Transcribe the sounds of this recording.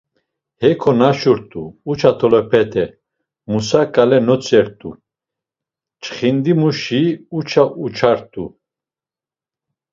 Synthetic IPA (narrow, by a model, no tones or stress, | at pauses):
hɛkʰɔnaʃuɾt̪ʼuːt͡ʃʰat̪ʰɔlɔpʰɛt̪ʰɛ | musakʼalɛnɔt͡sʼɛɾt̪ʼu | t͡ʃʰʼχind̪imuʃiut͡ʃʰaʔut͡ʃʰaɾt̪ʼu